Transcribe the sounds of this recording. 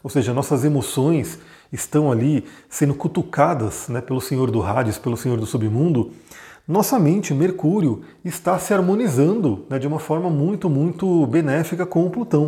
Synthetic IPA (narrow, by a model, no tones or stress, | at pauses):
owseʒɐnɔsɐzemosõj̃s | ɪst̪ɐ̃w̃alisẽnd̪ʊkut̪ukad̪ɐsnɛpelʊsẽɲoɾd̪ʊɦad͡ʒɪspelʊsẽɲoɾd̪ʊsubɪmũnd̪ʊnɔsɐmẽnt͡ʃɪmeɾkuɾiʊ | ɪst̪asɪaɾmõnizɐ̃nd̪ʊnɛd͡ʒɪũmɐfɔɾmɐmũj̃t̪ʊmũj̃t̪ʊbenɛfikɐkõw̃ʊplut̪ɐ̃w̃